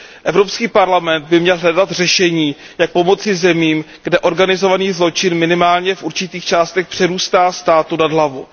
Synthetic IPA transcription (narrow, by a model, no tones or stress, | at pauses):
ʔɛvɾo̞pskiːpaɾlamɛnd̪̚bɪmɲɛlɦlɛdat̪r̝ɛʃɛɲiː | jak̚po̞mo̞t͡sizɛmiːmɡ̥dɛʔo̞ɾɡanɪzo̞vaniːzlo̞t͡ʃɪnmɪnɪmaːlɲɛfʔuɾt͡ʃɪt̪iːxt͡ʃaːst̪ɛxpr̥ɛɾuːst̪aːst̪aːt̪unadlavu